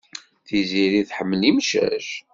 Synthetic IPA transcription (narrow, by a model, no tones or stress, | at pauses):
θiziɾiθħəmːlimʃæ̰ʃ